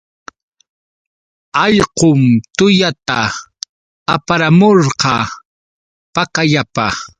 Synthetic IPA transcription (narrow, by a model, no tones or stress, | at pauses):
ɑʎqʊmt̪ʊjat̪a | apaɾamoɾqɑ | pakaʎapa